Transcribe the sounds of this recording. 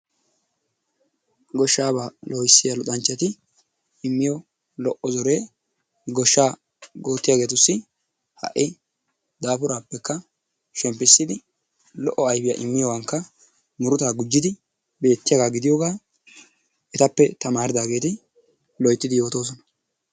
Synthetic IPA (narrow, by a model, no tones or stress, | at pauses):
ɡɔʃːaːbaːlʔɔjɪsːɪjalʊt̪ʼɐnt͡ʃːɛt̪ɪ | ɪmːɪjɔ | lɔʔɔzɔɾeː | ɡɔʃːaː | ɡo̞ːt̪ːɪjaːɡe̞ːt̪ʊsːɪ | hɐ̰ʔɪ | d̪aːpʊɾaːpːɛkːɐ | ʃɛmpːɪsːɪd̪ɪ | lɔʔːɔɐjfɪjaʔɪmːɪjɔwɐŋkːɐ | mʊɾʊt̪aːɡʊd͡ʒːɪd̪ɪ | be̞ːt̪ːɪjɐɡaːɡɪd̪ɪjɔɡaː | ʔɛt̪ɐpːɛt̪ɐmaːɾɪd̪aːɡe̞ːt̪ɪ | lɔjt̪ːɪd̪ɪjo̞ːt̪o̞ːs̬ɔnɐ̥